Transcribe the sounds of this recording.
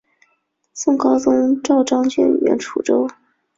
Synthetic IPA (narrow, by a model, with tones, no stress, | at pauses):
sʊ˥˩ŋkɑ˥ʊt͡sʊ˥ŋʈ͡ʂɑ˥˧ʊʈ͡ʂɑ˥ŋt͡ɕjɛ˥˩ny̰˨˩ɥɛ̰˧˥nʈ͡ʂʰu˨˧˩ʈ͡ʂo˥ʊ